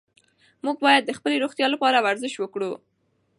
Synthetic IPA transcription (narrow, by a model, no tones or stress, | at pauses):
muɡ̚bɑjad̪̚ːəxpəleɾoxt̪jɑlapɑɾawaɾzəʃwəkɽu